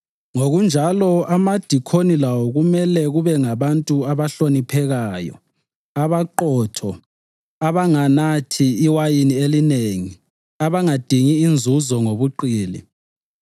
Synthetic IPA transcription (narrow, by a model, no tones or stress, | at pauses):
ŋoɣund͡ʒʱalɔamad̥ʱikʰonilawɔɣumɛlɛɣuβɛŋaβantʼuaβaɬonipʰɛɣaːjɔ̰ | aβaǃɔtʰɔ | aβaŋanatʰiːwajinielineŋi | aβaŋad̥ʱiŋiːnd͡zʱuzɔŋoβuǃiːlḭ